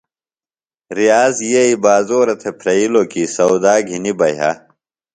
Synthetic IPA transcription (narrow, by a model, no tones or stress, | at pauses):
ɾijaːzjeibaːzoːɾɐt̪ʰepʰɾɐilokisɐwd̪aːɡʱinibɐjɐ̰